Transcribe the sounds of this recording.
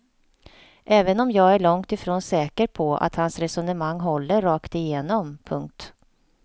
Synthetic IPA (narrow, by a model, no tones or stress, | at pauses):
ʔɛːvənɔmjɑːɡæɭɔŋt̪ɪfɾoːnsɛːkəɾpʰɔa̰t̪hansɾɛsɔnəmaŋːɦɔlːəɾɾɑːkt̪ɪjeːnɔmpʰɵŋk̚t̪